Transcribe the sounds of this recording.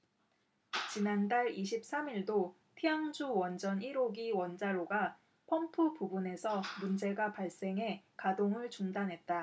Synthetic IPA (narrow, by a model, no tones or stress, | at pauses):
t͡ɕinandaɭiɕ̬ʰip̚s͈amiɭdo | pʰiaŋd͡ʑuwʌnd͡ʑʌniɾoɡiwʌnd͡ʑaɾoɡa | pʰʌmpʰupubune̞sʰʌmund͡ʑe̞ɡapaɭs͈e̞ŋɦe̞kadoŋɯɭt͡ɕuŋdanɦe̞t̚t͈a